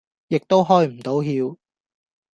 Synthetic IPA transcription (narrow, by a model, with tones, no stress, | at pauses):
jɪ˨k̚t̪o˥wɦɔː˥jm̩˨˩t̪o˨˥wɦiː˧w